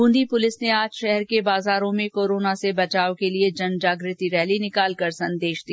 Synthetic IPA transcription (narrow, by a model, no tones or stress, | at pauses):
ũːnd̪ipʊlɪsneaːd͡ʒʃɛɦɛɾkebaːzaːɾõmẽkoːɾoːnasebɐt͡ʃaːokelied͡ʒɐnd͡ʒaːɡɾɪt̪iɾɛːlinɪkaːlkɐɾsɐ̃nd̪eːʃd̪iː